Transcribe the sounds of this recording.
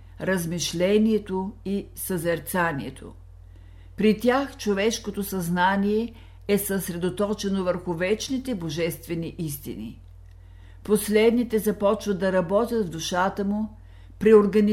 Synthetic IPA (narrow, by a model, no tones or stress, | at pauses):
ɾəzmiʃlɛniɛt̪oi | səzɛɾt̪saniɛt̪ʰo̰ | pɾit̪ʲjaxt͡ʃovɛʃkot̪osɐznaniɛ | ɛsəsɾɛd̪ot̪ɔt͡ʃɛnovəɾxʊvɛt͡ʃnit̪ɛboʒɛst̪vɛniʔist̪ḭnḭ | poslɛd̪nit̪ɛzɐpɔt͡ʃvəd̪ɐɾɐbɔt̪ʲjət̪vd̪ʊʃat̪əmʊ | pɾioɾɡɐn